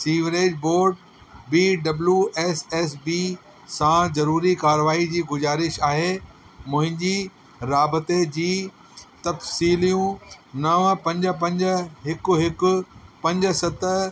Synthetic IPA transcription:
siːʋɾeːd͡ʑboːɾɖ | biːɖɐbljuʔɛːsɛːsbiː | sãzɐɾuːɾikaːɾʋaːid͡ʑiːɡʊzaːɾɪʃaːɦeː | mʊ̃ɦɪ̃ɲd͡ʑiː | ɾaːbət̪ed͡ʑiː | t̪ɐfsiːlijũnɐʋpɐ̃ɲd͡ʑə̆p̬ɐ̃ɲd͡ʑəɦɪkʊɦɪkʊ̆pɐ̃ɲd͡ʑsɐt̪ə

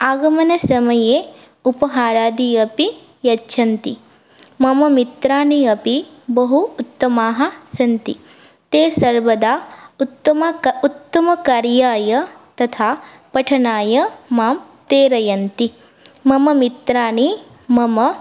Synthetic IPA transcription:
aːɡɐmɐnɐsɐmɐjeː | upɐɦaːɾaːd̪iɐpi | jɐtːʃʰɐnt̪i | mɐmɐmit̪ɾaːniɐpi | bɐɦuːt̪ːɐmaːɦɐsɐnt̪ḭ | t̪eːsɐɾʋɐd̪aːt̪ːɐɐut̪ːɐmɐkaːɾjaːjɐt̪ɐt̪ʰaː | pɐʈʰɐnaːjɐmaːmpɾeːɾɐjɐnt̪i | mɐmɐmit̪ɾaːni | mɐmɐ

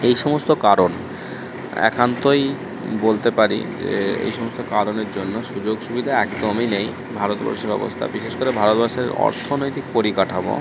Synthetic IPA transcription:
ejʃɔmost̪okaɾon | ɛ̰kʰant̪oj | bolt̪epaɾḭd͡ʑḛḛjʃɔmost̪okaɾoneɾd͡ʑonːoʃud͡ʑoɡʃubid̪ʱaɛkd̪ominej | bʱaɾot̪ba̰ɾʃeɾɔ̰bo̰st̪ʰa̰biʃeʃkoɾebʱaɾot̪baɾʃeeɾɔ̰ɾt̪ʰonojt̪ik̚poɾikaʈʰabo̰

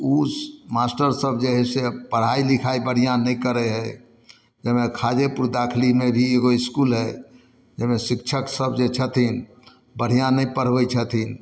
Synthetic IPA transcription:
umaːsʈəɾsəbd͡ʒeɦɛsepəɽ̤ailɪkʰaibəɽ̤ijãnəĩkəɾeɦɛ̃ | d͡ʒəɦmẽkʰaːd͡ʒepʊɾd̪aːkʰlimẽbʱieɡoɪskuːlɦɛ | d͡ʒəɦmẽsɪk̚t͡ʃʰəksəbʱd͡ʒet͡ʃʰət̪ʰin | bəɽ̤ijãnəĩpəɽ̤ʋəit͡ʃʰət̪ʰin

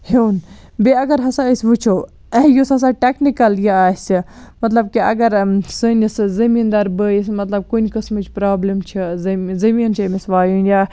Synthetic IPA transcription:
hewn | beɐɡɐɾɦɐsaisʲʋut͡ʃʰo | jusɐs̬aʈeknikɐljiaːsʲimɐt̪lɐb̚kiɐ̰ɡɐɾsɨnʲiszɐmiːnd̪ɐɾbəːjismɐt̪lɐb̚kunʲkɐsmɨt͡ʃʰpɾaːblimt͡ʃʰizzɐmiːnt͡ʃʰɐmisʋaːjunjaː

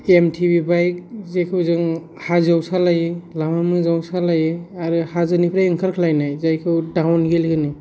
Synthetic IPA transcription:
emtʰibibajkzekʰɯbzɯŋ | hazawsalajlamamɯzawsalajaɾɯhazɯnipʰɾaɯŋkʰaɾkʰlajnajzajkʰɯwdawnɡelkʰɯni

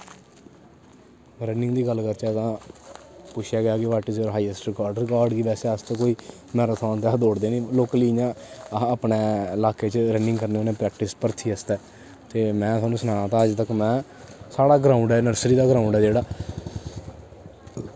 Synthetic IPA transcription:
ɾənɪ̃ŋɡd̪iːɡəlkəɾt͡ʃɛːt̪ãː | pʊt͡ʃʰjaːɡɪjaːkɪʋaːʈɪsɔːɾɦaːiɛsʈɾɪkaːɾɖɾɪkaːɾɖkiʋɛːseːəst͡ʃkoːiː | mɛːɾat̪ʰoːnt̪aːd̪oːɽd̪eːnĩːloːkliːɲãːãəpneːlaːkeːt͡ʃɾənɪ̃ŋɡkəɾneoːnẽːpɾɛːk̚ʈɪspəɾt̪ʰiːəst̪ɛː | t̪eːmɛ̃ːt̪ʰaːnũːsənãːt̪ãːəd͡ʒt̪əkmɛ̃ː | saːɽaːɡɾãːʊɳɖɛːnəɾsɾiːd̪aːɡəɾãːʊ̃ɳɖɛːd͡ʒeːɽaː

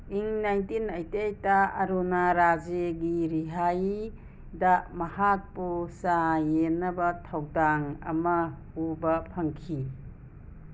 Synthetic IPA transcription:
iŋnajntinɐjtejtaːɾunaɾad͡ʒeɡiɾiɦaj | damɐhak̚pusajenːɐbɐtʰawdaŋɐ̰mɐhubɐpʰɐŋkʰi

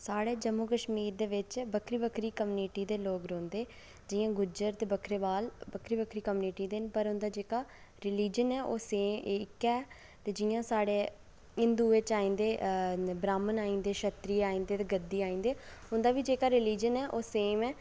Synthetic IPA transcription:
saːɽeːd͡ʒəmːukəʃmiːɾd̪eːʋɪt͡ʃbəkʰɾiːbəkʰɾiːkəmːniʈiːd̪eːloːkɾõːnd̪eː | d͡ʒɪːjãːɡʊd͡ʒəɾt̪eːbəkʰɾeːbaːlbəkʰɾiːbəkʰɾiːkəmːniːʈiːd̪enpəɾʊnd̪aːd͡ʒeːkaː | ɾɪliːd͡ʒənɛːʔoːseːɪkːɛː | t̪eːd͡ʒɪjãːsaːɽeː | ɪnd̪uːeːt͡ʃaːĩːnd̪eːbɾaːmənaːĩːnd̪eːʃət̪ɾiːaːĩːnd̪eːt̪eːɡəd̪ːiːaːĩːnd̪eːʊnd̪aːʋiːd͡ʒeːkaːɾɪliːd͡ʒənɛːʔoːseːmɛː

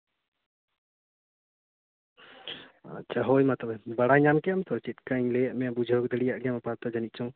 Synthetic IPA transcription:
a̰t͡ʃaɦɔjmat̪əbɛbaɽaɲamkɛamt̪ɔɾt͡ʃit̪̚kaiɲlɛjaʔmɛabud͡ʒʱɔkd̪əɽijaʔɡjamapaɾt̪ɔd͡ʒanit̪̚t͡ʃʰɔŋ

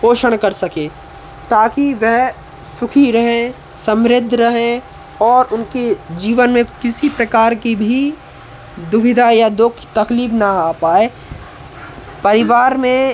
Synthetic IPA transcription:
koːʃəɽ̃kɐɾsɐkeː | t̪aːkiʋɛɦ | sʊkʰiɾɐɦẽ | sɐ̃mɾɪd̪ʱːɾɐɦẽ | ɔːɾʊnked͡ʒiːʋənmẽkɪsipɾɐkaːɾkibʱi | d̪ʊʋɪd̪ʱajad̪ʊkʰt̪ɐkliːbnaapaːe | pɐɾɪʋaːɾmẽ

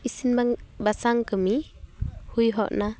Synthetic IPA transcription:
isinbaŋbasaŋkɯmi | hujɦɔʔna

